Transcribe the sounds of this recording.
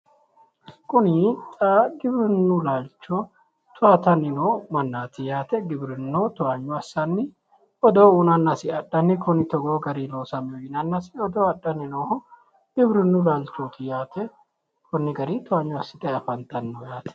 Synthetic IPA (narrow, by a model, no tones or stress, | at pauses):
kʼʊnɪt̪ʼaɡɪbɾɪnːʊlaːlt͡ʃːɔ | t̪ʊaːt̪ɐnɪnomɐnːaːt̪ɪjaːt̪ɛɡɪbɾɪnːot̪ʊɐɲːʊɐsːɐnːɪ | ɔd̪oːunɐnːɐsɪɐɗːɐnːɪkʊnɪt̪ɔɡoːɡɐɾiloːsɐmɪoɪnɐnːɐsɪɔd̪oːɐɗːɐnɪno | ɡ̥ɪbɾɪnːʊlalt͡ʃːoːt̪ʰɪjaːt̪ɛ | kʰʊnːɪɡɐɾit̪ʊaɲːʊɐsːɪt̪ʼɐɐfɐnt̪ɐnːɔjaːt̪ɛ̥